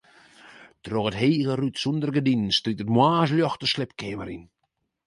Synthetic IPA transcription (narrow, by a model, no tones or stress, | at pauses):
troɣətheːɣərytsundərɡədinn̩stritətmwaːzljɔxtəslɪpkʰeːməɾin